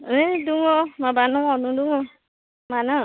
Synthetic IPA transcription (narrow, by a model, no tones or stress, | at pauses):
duŋomabanũwɔnũduŋo | mana